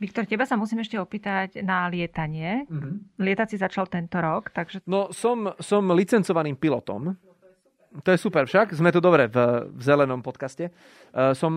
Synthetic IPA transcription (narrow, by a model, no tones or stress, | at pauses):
ʋikt̪ɔɾcɛbasamusiːmɛʃcɛɔpiːt̪aɟnalɪɛt̪aɲɪɛlɪɛt̪at͡sizat͡ʃalt̪ɛnt̪ɔɾɔkt̪aɡʒɛnɔsɔmsɔmlit͡sɛnt͡sɔʋaniːmpilɔt̪ɔ̰m | t̪ɔjɛsupɛɾfʃaɡzmɛt̪ud̪ɔbɾɛvvzɛlɛnɔmpɔt̪kascɛ | sɔm